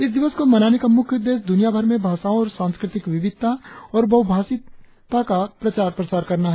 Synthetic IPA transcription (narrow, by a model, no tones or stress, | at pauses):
ɪsd̪ɪʋəskomɐnaːnekamʊkʰjʊd̪eːs̬d̪ʊnijabʱɐɾmẽbʱaːʃaːõɔːɾsãːnskɾɪt̪ɪkʋɪʋɪd̪̚t̪aɔːɾbɐwbʱaːsɪ | t̪akapɾɐt͡ʃaːɾpɾɐt͡ʃaːɾkɐɾnaɦɛ